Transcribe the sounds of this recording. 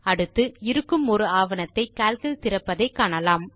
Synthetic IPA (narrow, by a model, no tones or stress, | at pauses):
ɐɽɯt̪ːɯɪɾɯkːɯmɔɾɯaːʋɐnɐt̪ːɐɪkaːlkɐɭt̪ɪɾɐpːɐðɐɪkːaːɳɐlaːm